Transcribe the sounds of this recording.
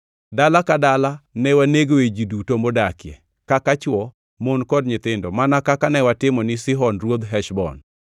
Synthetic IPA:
dalakadalanɛwaneɡoed͡ʒidutombodakjɛ̰ | kakat͡ʃwɔ | monkɔdɲɪt̪ɪndɔmanakakanɛwatɪmɔnɪsɪɦɔnrwod̪ɦɛʃbɔ̰n

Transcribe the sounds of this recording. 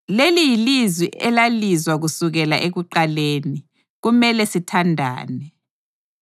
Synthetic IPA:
lelijilizwiʔɛlalizwaɣusuɣɛlaʔeɣuǃaleːni | ɣumɛlɛsitʰandʱa̰ːnɛ

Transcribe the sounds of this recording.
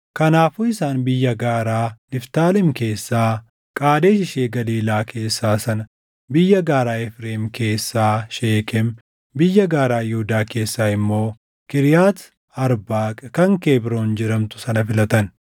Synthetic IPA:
kɐnaːfuːɪsaːnbɪjːɐɡaːɾaːnɪft̪aːlɪmke̞ːsːaː | kʼaːd̪eːʃɪʃeːɡɐliːlaːkʰe̞ːsːaːsɐnɐ | bɪjːɐɡaːɾaːɛfɾeːmke̞ːsːaːʃeːkɛm | bɪjːɐɡaːɾaːjʊhʊd̪aːke̞ːsːaːɪmːo̞ː | kɪɾjaːt̪ | ɐɾbaːkʼɐkɐŋkeːbɾoːnd͡ʒɪɾɐmt̪ʊ̥sɐnɐfɪlɐt̪ɐn

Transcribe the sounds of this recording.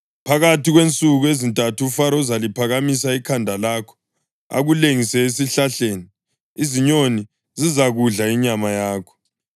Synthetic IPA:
pʰaɣatʰiɣwent͡sʼuɣuezintʼatʰufaɾɔzalipʰaɣamis̬aikʰandʱalakʰɔ̥ | a̰ɣuleŋisɛesiɬaɬeːni | iziɲoni | zizaɣuɮaiɲamajaːkʰɔ̥

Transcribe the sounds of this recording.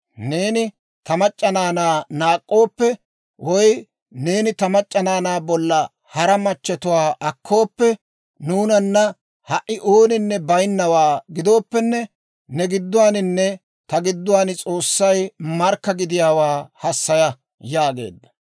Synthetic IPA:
ne̞ːnɪ | t̪ɐmɐt͡ʃʼːɐnaːnaːnaːkʼːo̞ːpːɛ | wɔj | ne̞ːnɪt̪ɐmɐt͡ʃʼːɐnaːnaːbɔlːɐ | hɐɾɐmɐt͡ʃːɛt̪ʊwaːʔɐkʰːo̞ːpːɛ | nuːnɐnːɐ | hɐʔːɪʔoːnɪnːɛbɐjnːɐwaːɡɪd̪o̞ːpːɛnːɛ | nɛɡɪd̪ːʊwaːnɪnːɛ | t̪ɐɡɪd̪ːʊwaːnɪt͡sʼo̞ːsːɐjmɐɾkːɐɡɪd̪ɪjaːwaːhɐsːɐjɐ | jaːɡe̞̰ːd̪ːɐ̥

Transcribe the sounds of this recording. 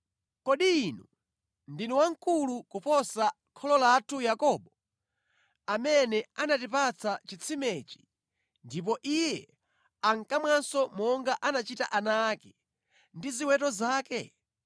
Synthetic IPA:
kɔɗiːnu | ndinɔwaŋ̩kulukupɔsa | kʰɔlɔlatʰujakɔːɓɔ | amɛnɛanatipat͡sʰat͡ʃit͡sʰimɛt͡ʃi̥ | ndip̬ɔʔijɛ | aŋkamwansɔmɔŋɡaʔanat͡ʃita̰ʔanakɛ̥ | ndiziwɛtɔzaːkɛ

